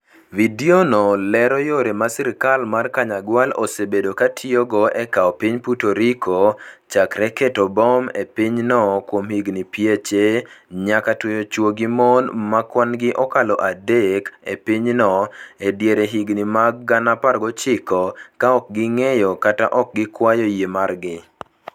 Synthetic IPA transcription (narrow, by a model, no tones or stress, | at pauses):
vidionɔlɛɾɔjoɾemasɪɾkalmarkaɲaɡwalo̰sebedokatʰioɡɔɛkaɔpiɲputoɾikʰot͡ʃakɾɛketɔbɔmepiɲnɔkwomhiɡnipjet͡ʃeɲakatwojot͡ʃwoɡimonmakwanɡɪʔɔkalɔʔadekḛpiɲnɔedjeɾeɦiɡnimaɡ̚ɡanaparɡɔt͡ʃɪkɔkaɔk̚ɡɪŋejɔkata̰ʔɔk̚ɡɪkwajojemarɡɪ